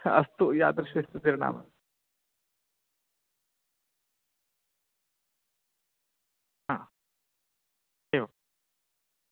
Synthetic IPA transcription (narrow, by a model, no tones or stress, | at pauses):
ɐst̪ujaːt̪ɾɐɕʋeːst̪ut̪iɾiɳa̰ːmɐ̰ | ɦaː | eʋa